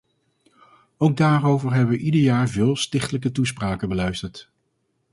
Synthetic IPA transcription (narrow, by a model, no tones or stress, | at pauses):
owɡ̚daːrowvəɹɦɛbəʋəʔidəɹjaːɹvɪːlˠstɪχtələkətuspraːkənbəlœɥstəɹt